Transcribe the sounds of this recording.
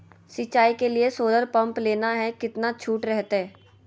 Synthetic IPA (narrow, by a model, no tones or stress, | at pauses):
sɪt͡ʃːaːikeliesoːd̪əɾpɐ̃mpleːnaɦɛkɪt̪nat͡ʃʰuːʈɾɛɦt̪eɦɛː